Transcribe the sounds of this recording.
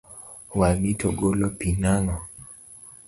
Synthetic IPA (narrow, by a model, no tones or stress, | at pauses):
walitoɡolopinaŋɔ